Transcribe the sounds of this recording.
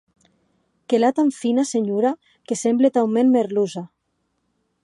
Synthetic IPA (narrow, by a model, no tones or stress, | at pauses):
kelat̪aɱfinaseɲuɾa | kesemblet̪awmenmeɾluza